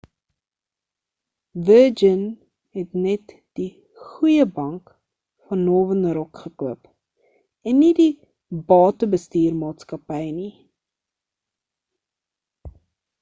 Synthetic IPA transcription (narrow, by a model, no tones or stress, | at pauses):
vəːd͡ʒən | ɦɛtnɛt | d̥i | χujəbɐŋk | fɐnːoːvənɾɔkχəkuəp | ɛnːidi | bɑːtəbəstiːrmɑːtskɐpəjni